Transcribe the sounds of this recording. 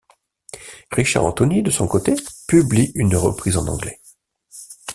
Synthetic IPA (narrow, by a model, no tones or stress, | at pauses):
ʁiʃa̰ʁɑ̰̃t̪ɔnid̪əsɔ̃kot̪epybliynʁə̰pχizɑ̃nɑ̃ɡlɛ